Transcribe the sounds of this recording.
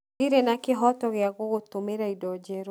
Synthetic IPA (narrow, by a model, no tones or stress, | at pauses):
iɾenakɪɦɔtɔɣɪaɣɔɣot̪omeɾaidɔd͡ʒɛɾ